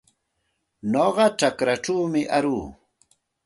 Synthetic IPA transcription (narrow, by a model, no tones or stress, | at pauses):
noɢɑʈ͡ʂakɾaʈ͡ʂawmɪʔaɾuː